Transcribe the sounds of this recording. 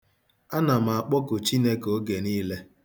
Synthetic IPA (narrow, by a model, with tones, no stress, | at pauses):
a˦na˨m˨a˨k͡pɔ˦kʊ˨t͡ʃi˦ne˦ko˦ɡe˨niː˦le˦